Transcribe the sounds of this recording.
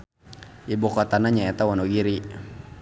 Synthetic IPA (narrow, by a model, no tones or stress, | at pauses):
ibɔkɔt̪anaɲaɛt̪awanɔɡiɾi